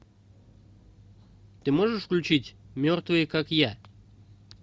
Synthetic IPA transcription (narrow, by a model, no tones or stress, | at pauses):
t̪ɨmoʐəʂfklʲʉt͡ɕitʲmʲort̪vɨjəkakja